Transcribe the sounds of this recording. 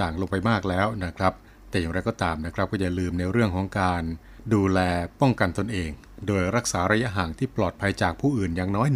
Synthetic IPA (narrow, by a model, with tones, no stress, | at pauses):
aː˨˩ŋlo˧ŋpa˧jmaː˥˩k̚lɛː˦˥wna˦˥˩kʰɾa˦˥p̚ | t̪ɛː˨˩jaː˨˩ŋɾa˧jkɔː˥˩t̪aː˧mna˦˥kʰɾa˦˥p̚kɔː˥˩a˨˩lɯː˧mna˧jɾɯ˥˩əŋkʰɔː˩˦ŋkaː˧n | duː˧lɛː˧pɔ˥˩ŋka˧nt̪o˧nʔeː˧ŋ | doː˧jɾa˦˥k̚saː˩˦ɾa˧ja˦˥ɦaː˩˦nt̪ʰiː˥˩plɔː˨˩t̪̚pʰa˧jt͡ɕaː˨˩k̚pʰuː˥˩ʔɯː˨˩njaː˨˩ŋnɔː˦˥j